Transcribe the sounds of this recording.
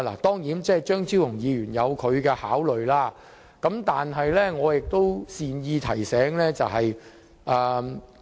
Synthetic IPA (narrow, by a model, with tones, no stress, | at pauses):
la̰ː˨˩t̪ɔː˥ŋjiː˨˥nt͡sɛː˥˨t͡ʃœː˥ŋt͡siː˥wjʊ˨˩ŋjiː˨˧jyː˨˩njɐ˨˧wkʰɵ˨˧ɥkɛː˧haː˨˥wlɵ˨ɥlaː˥ | kɐ˨˥mt̪aː˨nɦɐ˨jlɛː˥ŋɔː˨˧jɪ˨k̚t̪o˥wsiː˨njiː˧t̪ʰɐ˨˩jsɛː˨˥ŋlɛː˥t͡sɐ˨wɦɐ˨j | ʔaː˨˧